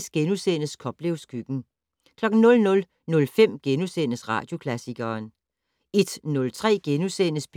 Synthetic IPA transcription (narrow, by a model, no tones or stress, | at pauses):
sɡ̥enuseːnəskʰɒ̽b̥leʊsɡ̥yɡ̥n̩ | kʰlɒ̽ɡ̥n̩nɔ̽lnɔ̽l | nɔ̽lfem̰ɡ̥enusḛːnəsʁɑ̰̈ːd̥jo̝kʰlæsiɡ̥ɐːn | e̝d̥nɔ̽lt͡sʰʁɛ̰ːɡ̥enuseːnəsb̥